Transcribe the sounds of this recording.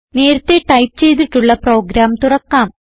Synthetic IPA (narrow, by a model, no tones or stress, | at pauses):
ne̞ːɾɐt̪ːeʈɐjp̚t͡ɕe̞jt̪̬ːiʈːuɭːɐpro̞ːɡɾaːmt̪urɐkːaːm